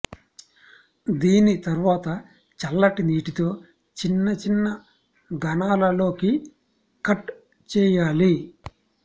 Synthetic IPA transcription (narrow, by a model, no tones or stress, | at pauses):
d̪iːnit̪ɐɾuʋaːt̪ɐ | t͡ʃɐlːɐʈiniːʈit̪o̞ː | t͡ʃinːɐt͡ʃinːɐ | ɡɐnaːlɐlo̞ːki | kɐʈ | t͡ʃɛːjaːli